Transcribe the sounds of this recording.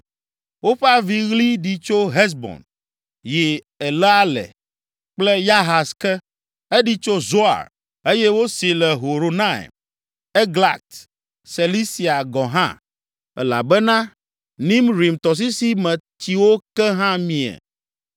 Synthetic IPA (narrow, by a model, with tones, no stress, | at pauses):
wo˦ɸɛ˦a˦vi˦ɣli˦ɖi˨t͡ʃo˦ɦɛ˦s̬bɔ̰̃˨n | jɛ˨ | ɛ˨lɛ˦a˦lɛ̰˨ | k͡plɛ˦ja˦ɦa˨skɛ˦ | e˦ɖi˦t͡ʃo˦zo˦a̰˨ɾ | e˦jɛ˦wo˦si˨lɛ˨ɦo˨ɾo˨nã˦ḛ˨m | e˦ɡla˨k̚t̪ | se˨li˦si˨a˨ɡɔ˨ɦã̰˦ | ɛ̰˦la̰˨bɛ˦nã˦ | nĩ˦mɾi˨mt̪ɔ˨s̬i˦si˦mɛ̃˨t̪i˨wo˦kɛ˦ɦã˦mĩ˨ɛ̰˨